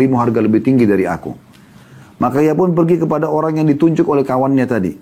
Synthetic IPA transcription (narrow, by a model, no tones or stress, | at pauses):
ɾimuɦarɡaləbɪht̪iŋɡidaɾia̰kṵ | mʔakaiapʊnpərɡikəpadaoɾaŋjaŋdit̪uɲd͡ʒʊkolɛhkawanɲat̪adḭ